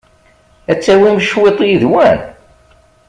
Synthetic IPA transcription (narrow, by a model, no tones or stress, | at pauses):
æt͡sːæwimʃwet̪ˤjiðwæn